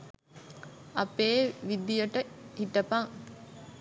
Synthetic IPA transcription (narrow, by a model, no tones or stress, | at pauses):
ɐpeːʋid̪ijəʈəhiʈəpaŋ